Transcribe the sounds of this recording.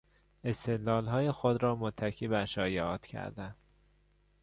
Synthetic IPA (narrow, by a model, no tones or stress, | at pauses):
e̞st̪e̞d̪lɒːlɦɒːjexod̪ɾɒːmot̪ʰːæcʰiːbæʃɒːjeɒːt̪cʰæ̰ɾd̪æn